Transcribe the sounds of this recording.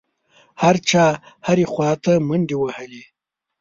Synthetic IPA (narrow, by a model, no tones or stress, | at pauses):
haɾt͡ʃɑːhaɾixwɑːt̪amənd̪iwahəli